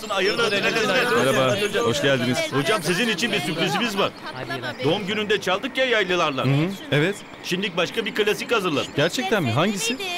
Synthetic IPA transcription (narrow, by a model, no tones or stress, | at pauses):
ɯnajɯɾlˠaɾalasɛmɛɾabahoʃɟælʲd̪iniz̥ho̞d͡ʒamsizinit͡ʃʰinbiɾsypɾizimizbaɾd̪o̞umɟynynd̪ɛt͡ʃʰalˠd̪ɯkjajajlˠɯlˠaɾlˠa̰ɦɯɛvɛt̪ | ʃimd̪ic̚baʃkabiɾkalʲasichazɯɾlˠa̰d̪ɯɟæɾt͡ʃʰɛc̚t̪ænbiɦaɲɟisi